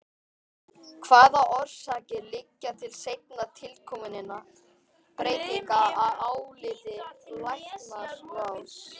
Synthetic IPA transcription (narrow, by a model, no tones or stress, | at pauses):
kʰvaːðaʔɔɾ̥saːcɪlɪcːat̪ʰɪlsejt̪nat̪ʰɪlkʰɔmʏnɪna | pɾeːjt̪ɪŋkaaðaːwlɪðɪlajht̪naɾ̥vaws